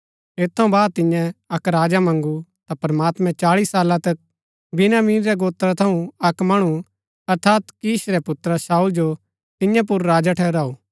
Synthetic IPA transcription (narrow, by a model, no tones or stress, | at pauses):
et̪ʰːɐũbaːd̪̚t̪ɪ̃jɛ̃ɐkɾaːd͡ʒamɐ̃ŋɡut̪apɾɐmaːt̪mɛ̃t͡ʃaːɭisːaːlãt̪ɐk̚ | bɪnaːmiːnɾɛɡoːt̪ɾat̪ʰɐũɐkmɐɽ̃u | ɐɾt̪ʰaːt̪kiːsɾɛpʊt̪ɾəsaːuld͡ʒo | t̪ɪ̃jãp̬ʊɾːaːd͡ʒaʈʰɛːɾaːuː